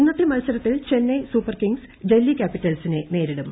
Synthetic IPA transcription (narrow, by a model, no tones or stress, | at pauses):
inːɐt̪ːimɐlsɐɾɐt̪ːilt͡ɕe̞nːesuːpːɐrkiŋɡs | delːikʲaːpːitːɐlsinene̞ːɾiɽum